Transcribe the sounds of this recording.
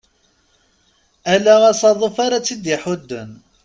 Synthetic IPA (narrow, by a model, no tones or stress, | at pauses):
ælæʁæsɑðˤəfaɾat͡sːid̪jəħʊd̪ːən